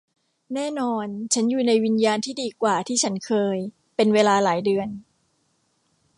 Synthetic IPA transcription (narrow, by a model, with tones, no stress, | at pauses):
nɛː˥˩nɔː˧nt͡ɕʰa˦˥njuː˨˩na˧jwi˧njaː˧nt̪ʰiː˥˩diː˧kwaː˨˩t̪ʰiː˥˩t͡ɕʰa˦˥nkʰɤː˧j | pe˧nweː˧laː˧laː˩˦jdɯ˧ən